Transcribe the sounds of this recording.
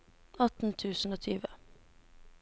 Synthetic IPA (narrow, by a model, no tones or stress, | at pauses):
ɑt̪n̩t̪ʰʉːsn̩oːt̪ʰyːʋə